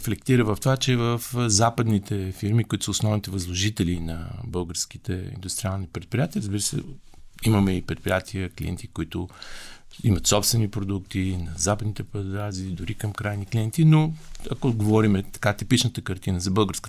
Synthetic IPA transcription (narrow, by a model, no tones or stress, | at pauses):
flɛk̚t̪iɾəvəft̪ovat͡ʃɛvəfzapəd̪nit̪ʰɛfiɾmikʊit̪ʊ̥səʊsnɔvnit̪ɛvɐzlˠoʒit̪ɛlinɐbɤlˠɡəɾsk̟it̪ɛ̰ḭnd̪ʊst̪ɾʲialˠnipɾɛt̪̚pɾijat̪iəɾəzbiɾəsɛ̰ | iməmɛipɾɛt̪̚pɾijat̪ʰiəkliɛ̰nt̪ikʊit̪ʊ | imət̪sɔpst̪vɛnipɾod̪uk̚t̪inɐzapəd̪nit̪ɛpɐd̪ɾazid̪ʊɾikəmkɾajnikliɛnt̪inoɐ̰koɡovɔɾimɛt̪ɐ̥kat̪ipit͡ʃnət̪əkɐɾt̪inəzɐbɤlˠɡəɾskə